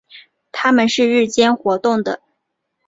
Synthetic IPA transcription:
t̪ʰa˥mə˨nʂɻ̩˥˧ɻɻ̩˥˩t͡ɕjɛ˥nxwɔ˧˥t̪ʊ˥˩ŋd̪ə̰˩

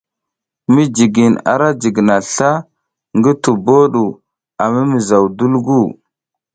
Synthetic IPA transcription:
mi˦d͡ʒi˨ɡi˨na̰˨ɾa˦d͡ʒi˨ɡna˨ɬa˦ | ŋɡi˦tu˨bo˦ɗu˨ | a˨mi˦mi˨za˨wdu˦lɡu˦˨

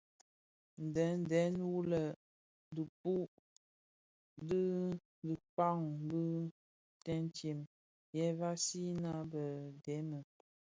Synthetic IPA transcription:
n̩˨dɛ˨˦n˦dɛ˨˦nwu˦lə˨ | də˨pu˦ | di˦ | də˨pa˦˨ŋbə˦ | tɛ˦n˦t͡ʃe˨m | jɛ˦va˦si˦na˦bə˨dɛ˨˦mə˨

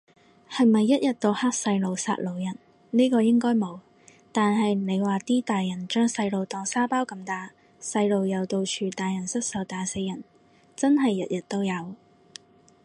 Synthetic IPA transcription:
hɐ˨˩jmɐ˨jːɐ˥t̚jɐ˨t̚t̪o˧whaː˥k̚sɐ˧jlo˨wsa̰ː˧t̚lo˨˧wjɐ˨˩n | niː˥kɔː˧jɪ˥ŋkɔː˥jmo˨˧w | t̪aː˨nɦɐ˨jne˨˧jwaː˨˩t̪iː˥t̪aː˨jjɐ˨˩nt͡ʃœː˥ŋsɐ˧jlo˨wt̪ɔː˨˩ŋsaː˥paː˥wkɐ˧mt̪aː˨ | sɐ˧jlo˨wjɐ˨˧wt̪o˧wt͡ʃʰyː˨t̪aː˨jɐ˨˩nsɐ˥t̚sɐ˨˧wt̪aː˨se˧jɐ˨˩n | t͡sɐ˥nɦɐ˨jːɐ˨t̚jɐ˨t̚t̪o˥wjɐ˨˧w

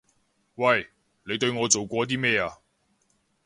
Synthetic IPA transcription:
wɐ˥˨j | le˨˧jt̪ɵ˧ɥŋɔː˨˧t͡so˨wkʷɔː˧t̪̬iː˥mɛː˥˧aː˧

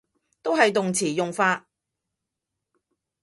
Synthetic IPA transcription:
t̪o˥wɦɐ˨jt̪ʊ˨ŋt͡sʰiː˨˩jʊ˨ŋfaː˧

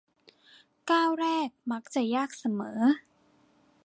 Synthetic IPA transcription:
kaː˥˩wɾɛː˥˩k̚ma˦˥k̚t͡ɕa˨˩jaː˥˩k̚sa˨˦mɤː˩˦˥

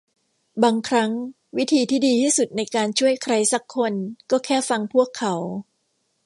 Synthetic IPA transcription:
baː˧ŋkʰɾa˦˥ŋ | wi˦˥t̪ʰiː˧t̪ʰiː˥˩diː˧t̪ʰiː˥˩su˨˩t̪̚na˧jkaː˧nt͡ɕʰu˥˩əjkʰɾa˧jsa˨˩kʰːo˧nkɔː˥˩kʰɛː˥˩fa˧ŋpʰu˥˩əkʰːa˩˦w

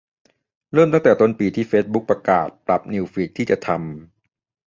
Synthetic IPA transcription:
ɾɤː˥˩mt̪a˥ŋt̪ɛː˨˩t̪o˥˩npiː˧t̪ʰiː˥˩feː˦˥t̪̚bu˦˥k̚pːɾa˧ka̰ː˨˩t̪̚pɾa˨˩p̚ni˧wfi˨˦˥k̚t̪ʰiː˥˩t͡ɕa˨˩t̪ʰa˧m

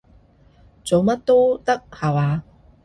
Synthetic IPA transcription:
t͡so˨˧wmɐ˥t̚t̪o˥t̪ɐ˥k̚haː˨˩waː˨˧

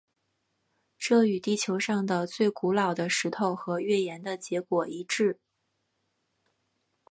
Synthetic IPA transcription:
ʈ͡ʂɤ˥˩y˨˩t̪i˥˩t͡ɕʰjo˧˥ʊʂɑ˥˩ŋd̪ə˩t͡swe˥˩ɪku˧˥lɑ˨˩ʊd̪ə˦ʂɻ̩˧˥t̪ʰo˥˩ʊxɤ˧˥ɥɛ˥˩jɛ˧˥nd̪ə˧t͡ɕjɛ˧˥kwɔ˨˩i˧˥ʈ͡ʂɻ̩˥˩

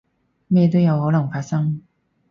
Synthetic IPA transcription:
me˥˩jɛ˧˥t̪o˥jɐ˨˧˥who˧˥lɐ˨˩ŋfa˧˥˩sɐ˥ŋ

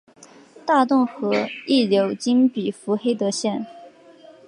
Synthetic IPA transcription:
t̪a˥˧t̪ʊ˥˩ŋxɤ˧˥i˥˩ljo˧˥ʊt͡ɕi˥npi˨˩fu˧˥xe˥ɪt̪ɤ˧˥ɕjɛ˥˩n

